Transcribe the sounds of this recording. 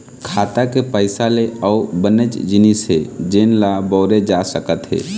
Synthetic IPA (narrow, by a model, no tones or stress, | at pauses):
kʰaːt̪akepəɪsaleɔːbənət͡ʃd͡ʒɪnisɦed͡ʒenlabɔːɾed͡ʒasəkət̪ɦḛː